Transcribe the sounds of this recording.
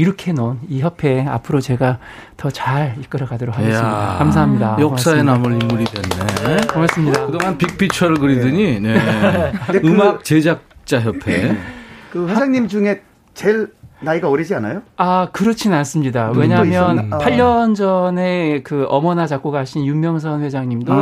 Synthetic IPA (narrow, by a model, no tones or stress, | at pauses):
iɾʌkʰe̞noniçjʌpʰe̞a̰pʰɯɾot͡ɕe̞ɡa | tʌt͡ɕaɾik͈ɯɾʌɡadoɾokhaɡes͈ɯmidakams̬ʰaɦamɲidajʌkss͈aenamɯɾimːuɾidwenːemas͈ɯmɲidakɯdoŋɦanpik̚pʰit͡ɕʰʌɾɭkɯɾidɯɲine | ɯmak̚t͡ɕed͡ʑak̚t͡ɕ͈aɦjʌpʰe̞kɯwed͡ʑaŋɲimd͡ʑuŋe̞ | t͡ɕeɭnaiɡaʌɾid͡ʑianajoakɯɾʌt͡ɕʰinans͈ɯmɲidawwe̞ɲamjʌnpʰaʎːʌnd͡ʑʌne̞kɯʌmʌnat͡ɕak͈uɡaɦaɕʰinjumjʌŋs̬ʰʌnɸwe̞d͡ʑaŋɲimdo